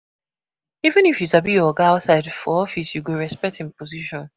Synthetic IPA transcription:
ivɨ̃nifjisabiɔɡaaʊtsaɪdfɔɔfisjuɡuɹɛspɛk̚tʰĩmpɔziʃɔ̃n

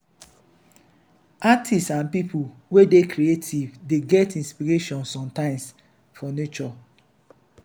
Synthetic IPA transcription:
atʰistsãnpipʰul | wedekɾietʰivdeɡɛtĩnspiɹeʃɔ̃nsɔ̃mtãɪ̃ms | fɔnet͡ʃɔ

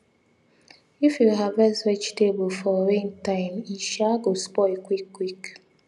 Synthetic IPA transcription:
ifjuɦavɛswet͡ʃtebəl̩fɔwẽntaɪmiʃaɡospɔɪkʷikːwik

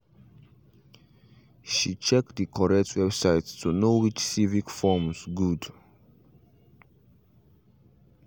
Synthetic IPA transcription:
ʃit͡ʃɛk̚dikʰɔɹɛk̚tʰwɛbsaɪtstunowit͡ʃsivikfɔmsɡud

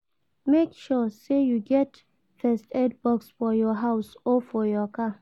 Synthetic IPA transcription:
mekʃɔsejuɡɛt | fɛstɛd̚bɔksfɔjɔɦaʊsɔfɔjɔkʰa

